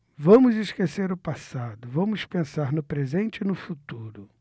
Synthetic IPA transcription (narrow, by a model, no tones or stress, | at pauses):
vɐ̃mʊzɪskeseɾʊpasad̪ʊvɐ̃mʊspẽsaɾnʊpɾezẽnt͡ʃɪnʊfut̪uɾʊ